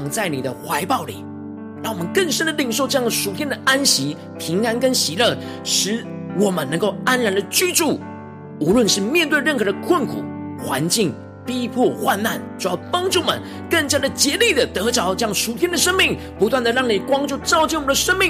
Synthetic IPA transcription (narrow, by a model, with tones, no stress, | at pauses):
ŋt͡sa˥˩ɪni˨˩d̪ə˦xwa˧˥ɪpɑ˥˩ʊlḭ˨˩˦ | ɻɑ˥˩ŋwɔ˨˩mə˦nkə˥˩ŋʂə˥nd̪ə˨li˨˩ŋʂo˥˧ʊʈ͡ʂɤ˥˧jɑ˥˩ŋə˩ʂu˨˩t̪ʰjɛ˥nd̪ə˨a˥nɕi˧˥ | pʰi˧˥ŋa˥nkə˥nɕi˧˥lɤ˥˩ | ʂɻ̩˧˥wɔ˨˩mə˦nɤ˧˥ŋko˥˩ʊa˥nɻa˧˥ndə˨t͡ɕy˥ʈ͡ʂu˥˩ | u˧˥lwə˥˧nʂɻ̩˥˧mjɛ˥˧nt̪we˥˧ɪɻə˥˩nxɤ˧˥d̪ə˧kʰwə˥˩nkʰṵ˨˩xwa˧˥nt͡ɕi˥˩ŋ | pi˥pʰwɔ˥˩xwa˥˧nna˥˩nʈ͡ʂu˨˥jɑ˥˩ʊpɑ˥ŋʈ͡ʂu˥˩mə̰˨˦n | kə˥˩ŋt͡ɕja˥d̪ə˨t͡ɕjɛ˧˥li˥˩d̪ə˩t̪ɤ˧˥ʈ͡ʂɑ˧˥ʊʈ͡ʂɤ˥jɑ˥˩ŋʂu˨˩t̪ʰjɛ˥nd̪ə˨ʂə˥ŋmi˥˩ŋ | pu˧˥t̪wa˥˩nd̪ə˩ɻɑ˥˩ŋni˨˩kwɑ˥ŋt͡ɕjo˥˧ʊt͡sɑ˥˧ʊt͡ɕi˥˩wmə˩d̪ə˧ʂə˥ŋmi˥˩˨ŋ